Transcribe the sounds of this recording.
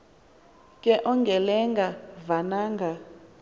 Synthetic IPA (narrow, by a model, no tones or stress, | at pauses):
kʼɛʔɔŋɡʱɛlɛŋɡavanaːŋɡʱa